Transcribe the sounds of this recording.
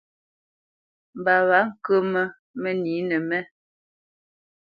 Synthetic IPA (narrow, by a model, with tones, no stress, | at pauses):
m̩˨ba˨βa˨˦ŋ̩˨kə˦mə˦ | mə˦ni˨˦nə˨mɛ˦